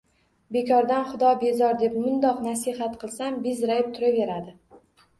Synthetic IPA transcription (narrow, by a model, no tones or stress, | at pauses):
be̞kʰɒɾd̪anχʊd̪ɒbe̞zɒɾd̪e̞pmʊnd̪ɒqnasihat̪qʰɨlˠsambɪzɾajɪp̚t̪ʰʊɾave̞ɾad̪ɪ